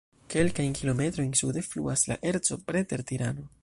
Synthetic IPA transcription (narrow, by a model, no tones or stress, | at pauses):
ke̞lkajnkilo̞me̞t̪ɾo̞jnsude̞flṵasla̰ʔe̞ɾt͡so̞̰pɾe̞te̞ɾt̪iɾano̞